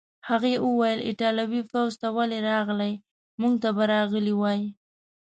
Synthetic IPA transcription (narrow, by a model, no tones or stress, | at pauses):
haɣeʔəwajəlɪ̰ʈɑlawifawzt̪awaleɾɑɣlaj | muŋɡ̚t̪abaɾɑɣəliwɑji